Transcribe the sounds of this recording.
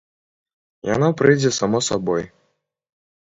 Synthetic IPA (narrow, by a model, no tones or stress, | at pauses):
ja̰napɾɨjd͡zʲɛsamɔsabɔj